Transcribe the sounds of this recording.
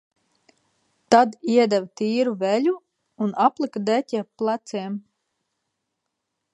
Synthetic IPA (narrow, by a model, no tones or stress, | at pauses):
t̪ad̪iɛd̪ɛvt̪iːɾuvɛʎʲuː | naplˠikd̪ɛt̪ʲɛplˠat̪siɛm